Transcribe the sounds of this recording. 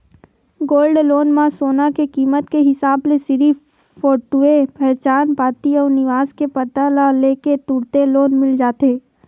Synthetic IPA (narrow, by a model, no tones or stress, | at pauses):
ɡoːlɖloːnmãsoːnakekiːmət̪keɦɪsaːblesɪɾi | fɔːʈuepɛɦt͡ʃaːnpaːt̪iɔːɾnɪʋaːskepət̪alaleːket̪ʊɽt̪eloːnmɪld͡ʒaːt̪eː